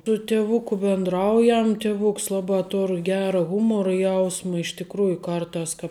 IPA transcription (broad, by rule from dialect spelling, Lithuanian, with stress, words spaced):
tʊ tʲɪˈʋʊkʊ bʲɪndˈrɐʊjɛm tʲɪˈʋʊks ˈlˠɑːbɑː ˈtoːr ˈɡʲæːrɐ ˈɣʊmoːrʊ ˈjɛʊsmɐ ɪʃ tʲɪkˈruːjʊ ˈkɐrˌtɑːs kɑːp